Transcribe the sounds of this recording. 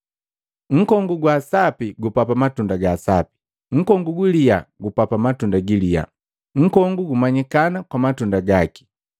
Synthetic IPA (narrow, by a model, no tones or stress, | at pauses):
ŋ̩kɔŋɡuɡwasapiɡupapamatundaɡasapi̥ | ŋ̩kɔŋɡuɡilijaɡupapamatundaɡilija̰ | ŋ̩kɔŋɡuɡumaɲikanakwamatundaɡaki̥